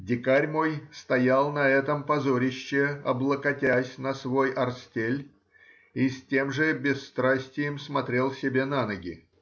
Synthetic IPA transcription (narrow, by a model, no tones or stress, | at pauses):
dʲɪkaɾʲmo̞jst̪ɐjalˠnɐɛt̪əmpɐzoɾʲɪɕːɪɐblˠəkɐtʲæsʲnɐsvo̞jɐrsʲtʲelʲ | isʲtʲe̞mʐɨbʲɪsːt̪ɾasʲtʲɪjɪmsmɐt̪ɾʲe̞lˠsʲɪbʲe̞nanəɡʲɪ̰